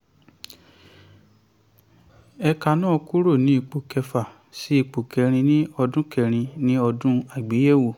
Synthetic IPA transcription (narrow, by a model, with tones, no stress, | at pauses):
ɛ˧ka˧nãː˦˨˧ku˦ɾo˦˨nĩ˦i˦˨k͡po˨kɛ˧fa˨ | si˦i˦˨k͡po˨kɛ˨ɾ̃ĩ˧nĩ˦ɔ˧dũ˦kɛ˨ɾ̃ĩ˧nĩ˦ɔ˧dũ˦a˨ɡ͡be˨˦je˦˨wo˨